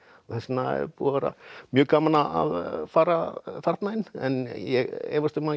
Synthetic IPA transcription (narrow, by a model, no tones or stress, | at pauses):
θɛsnaɛ̰ɾpṵːavɛːɾa̰mjœːkaːmanaa̰ðfaːɾafaɾt̪naɪnɛ̰njɛɣɛ̰ːvast̪ʏma